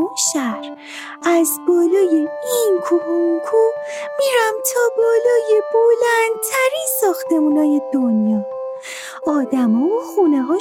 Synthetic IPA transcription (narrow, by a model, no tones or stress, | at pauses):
oʃæɾ | æzbɒːlɒːjeinkʰuɾuŋkʰo | miɾæmt̪ʰɒːbɒːlɒːjebolænd̪̚t̪ʰæɾinsɒːxt̪e̞muːnɒːje̞d̪o̞njɒː | ɒːd̪æmɒːvoxuneɦɒː